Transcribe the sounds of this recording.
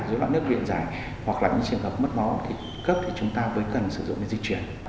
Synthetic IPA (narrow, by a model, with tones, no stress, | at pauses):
zoː˨˦jla̰ː˧˨nɨ˦˥ək̚vḭ˧˨ənzaː˧˩j | hwa˨˩k̚laː˨˩ɲɨ̰˧˥ŋt͡ɕɨ˨˩əŋɦəː˨˩p̚mə˦˥t̚mɔ˨˦t̪ʰi˨˩ | kə˦˥p̚t̪ʰi˨˩t͡ɕʊ˨˦ŋ͡mt̪aː˧vəː˨˦jkə˨˩nsɨ˧˩zʊ̰˧˨ŋ͡mne˨˦nzi˧t͡ɕwi˧˩ən